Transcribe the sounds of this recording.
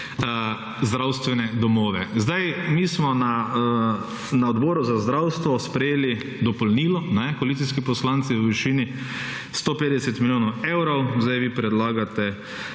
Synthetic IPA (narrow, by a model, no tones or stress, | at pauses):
zd̪ɾawst̪ʋɛnɛd̪ɔmɔːʋɛzd̪ajmiːsmɔna | naɔd̪bɔːɾuzazd̪ɾawst̪ʋɔspɾɛjeːli | d̪ɔpɔlniːlɔnɛkɔalit̪iskipɔslant̪siʋəʋiʃiːni | st̪oːpeːd̪ɛsɛt̪miljoːnɔwewɾɔwzd̪ajʋipɾɛd̪laːɡat̪ɛ